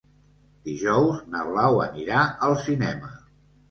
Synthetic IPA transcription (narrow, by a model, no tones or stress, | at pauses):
d̪̥iʒɔwznəβlawə̰niɾaəlˠsinɛmə